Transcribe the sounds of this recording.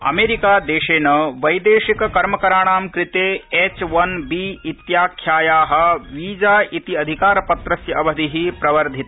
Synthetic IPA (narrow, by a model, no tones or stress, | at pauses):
ɐ̰meːɾikaːd̪eːʃeːnɐʋɐjd̪eːʃikɐkɐɾmɐkɐɾaːɽ̃aːmkɾɪt̪eːet͡ʃʋɐnbiːit̪jaːkʰːjaːjaːɦɐ̆ʋiːd͡ʒaːʔit̪iɐd̪ʱikaːɾɐpɐt̪ɾɐsjɐɐʋɐd̪iɦipɾɐʋɐɾd̪ʱit̪